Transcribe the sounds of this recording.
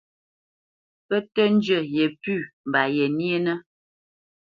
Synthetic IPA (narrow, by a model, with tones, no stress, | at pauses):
pə˦tə˦n˦d͡ʒə˦˨jɛ˨pʉ˦˨m˨ba˨jɛ˨ni˦e˦nə˦